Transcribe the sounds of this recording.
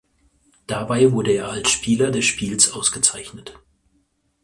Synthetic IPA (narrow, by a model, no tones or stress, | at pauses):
d̥abaɪvʊɐdəeːɐalsʃpʰiːlɐdɛsʃpiːlsʔaʊsɡ̥ət͡saɪçnət